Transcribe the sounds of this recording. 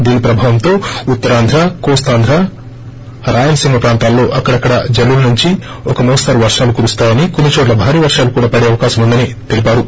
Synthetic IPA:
d̪iːnipɾɐbʱaːʋɐmt̪o̞ːut̪ːɐɾaːnd̪ʱɾakoːst̪aːnd̪ʱɾa | ɾaːjɐnɐsiŋɡɐpɾaːnt̪aːlːo̞ːʔɐkːɐɽɐkːɐɽɐd͡ʒɐlːulnuɲt͡ʃi | ɔkɐmuːst̪ɐɾʋɐɾʂaːlukuːɾust̪aːjɐnikonːit͡ʃoːʈ̬lɐbʱaːɾiːʋɐɾʂaːlukuːɽaːpɐɽe̞ːɐʋɐkaːʃɐmund̪ɐnit̪elipaːɾu

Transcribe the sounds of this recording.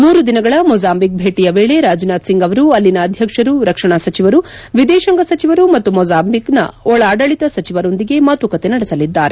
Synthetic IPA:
muːɾud̪inɐɡɐɭɐmɔːd͡ʒaːmbik̚bʱeːʈijɐʋe̞ːɭe̞ɾaːd͡ʒunaːt̪siŋɡɐʋɐɾuɐlːinɐːd̪ʱjɐkʂɐɾuɾɐkʂɐɳasɐt͡ʃiʋɐɾuʋid̪ɛːʃɐŋɡɐsɐt͡ʃiʋɐɾumɐt̪ːumɔːd͡ʒaːmbʱiknɐ̰ɔɭaːɖɐɭit̪ɐsɐt͡ʃiʋɐɾo̞nd̪iɡe̞maːt̪ukɐt̪e̞nɐɽɛsɐlid̪ːa̰ːɾe

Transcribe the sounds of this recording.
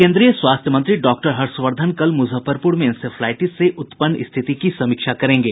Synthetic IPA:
kẽːnd̪ɾijəswaːst̪ʰjəmə̃nt̪ɾiɖɔːk̚ʈəɾɦɐɾsʋəɾd̪ʱənkɐlmʊzʱəfəɾpuɾmẽnsefʰlaːɪʈisseʔʊt̪pənːɪ̰st̪ʰɪt̪ikisɐmiːkʃakɐɾẽːŋɡeː

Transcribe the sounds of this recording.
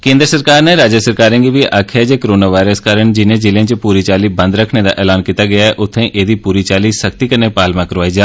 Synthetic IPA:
kẽːnd̪ɾəsəɾkaːɾneːɾaːd͡ʒəsəɾkaːɾẽːɡiːʋiʔakʰɛːd͡ʒeːkəɾoːnaːʋaːɪɾəskaːɾəɳd͡ʒɪnẽːd͡ʒɪlẽːt͡ʃpuːɾiːt͡ʃaːliːbə̃nd̪ɾəkʰneːd̪a̰ːʔɛːlaːnkiːt̪aːɡɪjaːɛʔʊt̪ʰːẽːʔeːd̪iːpuːɾiːt͡ʃaːliːsəkt̪iːkəɾneːpaːlmãːkəɾʋaːid͡ʒaː

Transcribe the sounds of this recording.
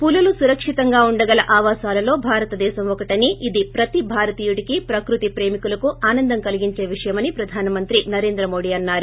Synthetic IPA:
pululusuɾɐkʂit̪ɐŋɡaːuɳɖɐɡɐlɐʔaːʋaːsaːlɐlo̞ːbʱaːɾɐt̪ɐd̪ɛːʃɐmʋɔkɐʈɐniʔid̪ipɾɐt̪ibʱaːɾɐt̪iːjuʈikipɾɐkɾut̪ipɾe̞ːmikulɐkuʔaːnɐnd̪ɐŋkɐliɡiɲt͡ʃe̞ːʋiʂɐjɐmɐnipɾɐd̪ʱaːnɐmɐnt̪ɾinɐɾe̞ːnd̪ɾɐmo̞ːɽiːɐnːaːɾu

